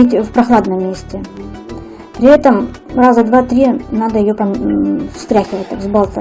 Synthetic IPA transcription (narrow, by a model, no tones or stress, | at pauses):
itʲfpɾɐxlˠad̪nəmːʲesʲtʲɪ | pɾʲɪɛt̪əm | razəd̪vat̪ɾʲinad̪əjɪjopɐfst̪ɾʲæxʲɪvət̚ʲt̪akzbalˠt̪ə